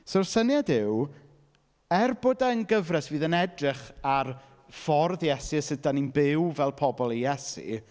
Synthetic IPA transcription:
sɔrsənjadɪw | ɛrbodaənɡəvrɛsviːðənɛdrɪχar | fɔrðjɛsiəsɪdaninbɪwvɛlˠpʰɔbɔlˠijɛsḭ

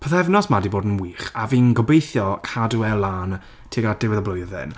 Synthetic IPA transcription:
pʰəθɛvnɔsmadiboːdən̩wiːχaviːnɡɔbejθjɔkʰaduɛlˠan | tʰiɡad̥ɪwɪðəblˠʊjðɨ̰n

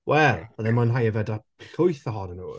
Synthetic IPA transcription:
wʔɛlˠaðɛnmanɦajəvɛda | ɬʊjθəɦɔnənuː

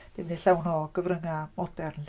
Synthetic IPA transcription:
d̥ɪmniɬawnɔɡ̥əvrəŋamɔdɛrn

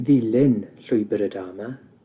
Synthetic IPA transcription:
ðɪlɪnɬʊɨbəɾədaːma

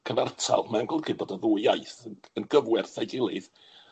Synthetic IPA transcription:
kʰəvɛrtʰa̰lˠmanɡɔlˠɡɪbɔdəðuːjajθəənɡəvwɛrθajɡɪlˠɨð

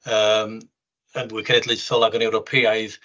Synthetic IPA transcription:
əːm | ənwikʰənɛdlˠɨsɔlˠaɡɔnɛwɾɔpʰiajð

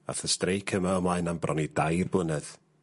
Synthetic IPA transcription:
a̰θəstrejkʰəmaəmlˠaɨnambrʔɔ̰nidajrbʊnɛð̥

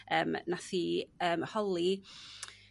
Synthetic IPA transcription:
ə̰ːmnaθiəːmhɔlˠi

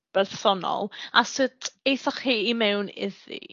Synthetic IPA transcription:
b̥ɛrθɔnɔ̰lˠasɪtʰejθaχhiːmɛwnɪðḭ

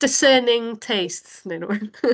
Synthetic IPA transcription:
d̥ɪsɜːnɪ̃ŋtʰejstsnenəwɛð

